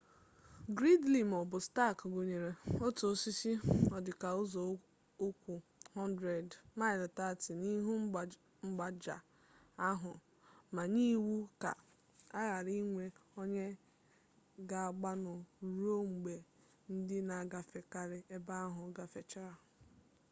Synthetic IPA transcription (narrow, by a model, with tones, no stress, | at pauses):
ɡɾi˦dli˨m˨ɔ˨bʊ˨sta˦˨kɡo˨ɲe˨ɾe˨o˦to˨si˦si˦ɔ˨dɪ˨ka˨ʊ˦zɔ˨ | o˦kʷu˨hɔ˦ndɾe˨dma˦ɪ˨lta˦ti˨ni˦ɦu˦˨ | ŋ͡m̩˦ɡ͡ba˨d͡ʒa˨ | a˦ɦʊ˨ | ma˨ni˦wu˦ka˨ | a˦ɣa˨ɾi˦ŋʷe˦o˦ɲe˦ | ɡa˨a˨ɡ͡ba˦nʊ˨ɾo˦˨ŋ͡m̩˨ɡ͡be˨ | n̩˦dɪ˦na˨a˨ɡa˨fe˨ka˨ɾɪ˨e˦ba˦a˦ɦʊ˨ɡa˨fe˨t͡ʃa˦ɾa˨